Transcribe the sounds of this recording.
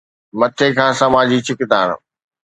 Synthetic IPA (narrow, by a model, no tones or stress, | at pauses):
mɐt̪ʰekʰãːsɐmaːd͡ʑit͡ɕʰɪkɪd̪aːñ̰